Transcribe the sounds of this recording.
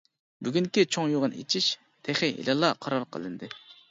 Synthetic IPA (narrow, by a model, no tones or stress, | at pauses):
byɡʲyŋkʲit͡ʃʰoŋjoʁənḛt͡ʃʰiʃ | t̪ʰeχɪḭlʔɑlˠːɑqʰɑɾɑɾqʰə̰lˠɨnd̪ɨ